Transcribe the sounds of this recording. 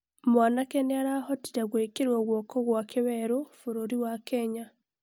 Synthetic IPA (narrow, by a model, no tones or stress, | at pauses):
mwaːnakeneaɾahoti̥ɾaɣweːkiɾwoɣwoːkoɣwakiβeɾufuɾoɾiwakeɲa